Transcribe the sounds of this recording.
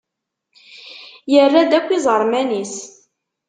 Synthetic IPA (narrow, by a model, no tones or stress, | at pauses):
jərˤːad̪ækʷːizˤəɾˤmænis